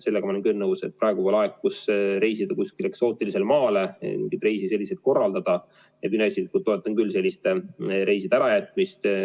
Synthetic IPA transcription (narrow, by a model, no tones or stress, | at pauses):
se̞lːeɡɑmɑolenkønːəwset̪̚prɑeɡ̥upoːlɑekkusɾe̞jsid̪̥ɑkuskile̞kso̞ːt̪ːˑilise̞lmɑːle̞m̰iŋɡit̪re̞jsise̞lːise̞t̪̚ko̞rːɑld̪ɑd̪̥ɑ | jemynesid̪̚kut̪o̞e̞t̪ːˑɑnkylːse̞lːist̪eɾe̞jsid̪̥æɾɑjæt̪ːˑmist̪